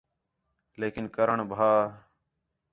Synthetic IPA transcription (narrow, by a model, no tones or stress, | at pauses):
leːkɪnkəɾəɳbʱaː